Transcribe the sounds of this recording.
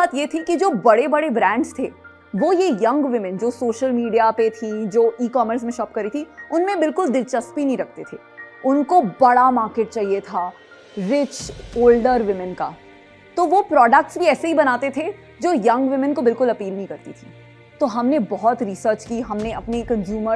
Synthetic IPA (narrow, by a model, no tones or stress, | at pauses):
aːt̪jet̪ʰikid͡ʒoːbɐɽebɐɽebɾɛ̃ːɳɖst̪ʰeː | ʋojejɐ̃ŋɡʋɪmɪ̃nd͡ʒoːsoːʃəlmiːɖijapet̪ʰĩd͡ʒoːʔiːkɔːməɾs̬mẽʃɔːp̚kɐɾit̪ʰiʊnmẽbɪlkʊlɖɪlt͡ʃɐspinɐɦĩɾɐk̚ʰt̪et̪ʰeːʊnkobɐɽamaːɾkeːʈ̚t͡ʃaːɦiet̪ʰa | ʋɪt͡ʃoːlɖəɾʋɪmɪnka̰ː | t̪oʋopɾɔːɖək̚ʈsbʱiɛːseɦibɐnaːt̪et̪ʰe | d͡ʒoːjɐ̃ŋɡʋɪmɪnkobɪlkʊlɐpiːlnɐĩkɐɾt̪it̪ʰiː | t̪oɦɐmnebɔɦɔt̪ɾisəɾt͡ʃkiɦɐmneɐpnekɐ̃nzjuːmə